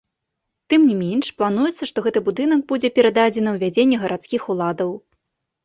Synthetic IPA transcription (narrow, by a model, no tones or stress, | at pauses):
t̪ɨmnʲimʲenʂplˠanujɛt̪sːɐʂt̪ɔɣɛt̪ɨbud̪ɨnɐɡ̚bud͡zʲɛpʲɛɾɐd̪ad͡zʲɛnɨwvʲad͡zʲenʲːɛɣɐɾʔat̪skʲixulˠad̪ɐw